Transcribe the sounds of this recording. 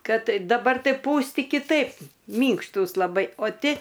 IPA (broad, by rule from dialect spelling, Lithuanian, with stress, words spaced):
ˈkɐt dɐˈbɐr ˈtɐɪ ˈpuːsʲtʲɪ kʲɪˈtɐɪp ˈmʲiːŋkʃtuːs lˠɐˈbɐɪ oː ˈtʲɪ